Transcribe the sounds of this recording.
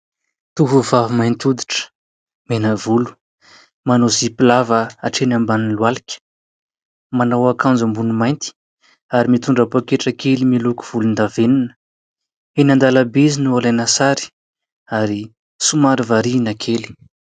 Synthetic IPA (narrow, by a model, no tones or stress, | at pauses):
t̪uɦuvavumajnt̪ud̪i̥ʈ͡ʂə̥ | menəvulu̥ | manozipilavəaʈ͡ʂenambaninluwalikʲə̥ | manawakãnd͡zambunumajnt̪i̥ | aɾimit̪uɳɖ͡ʐapakeʈ͡ʂəkelimiluku̥v̥ulund̪aveninə̥ | enand̪alabizinualanasaɾi̥ | aɾi | sumaɾivaɾinakʰeli̥